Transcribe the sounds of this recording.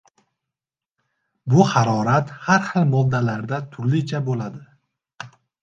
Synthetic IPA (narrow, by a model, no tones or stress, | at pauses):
bʊhaɾɒɾat̪haɾχɨlˠmɒd̪ːalaɾd̪at̪ʰʊɾlɪt͡ʃʰabolad̪ɪ